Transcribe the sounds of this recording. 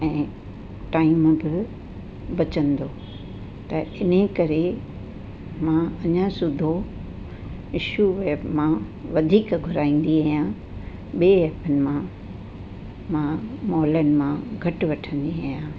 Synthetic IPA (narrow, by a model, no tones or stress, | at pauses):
ɛ̃ː | ʈaːɪmbɪ | bɐt͡ɕə̃nd̪oː | t̪ɐɪnekɐɾe | mãɐɲãsʊd̪ʱo | ɪʃuʋeːbmã | ʋɐd̪ʱiːkɡʱʊɾaːĩːn̆d̪iaːɦijã | ɓieeːpənɪ̆mã | mãmɔːlənɪ̆mãɡʱɐʈʊʋɐʈʰə̃nd̪iaːijãː